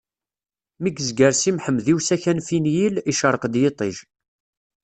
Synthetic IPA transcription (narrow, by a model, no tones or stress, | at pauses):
miɡzɡəɾsimħəmːðiwsæçænfinjiliʃəɾˤəqd̪jet̪ˤiʒ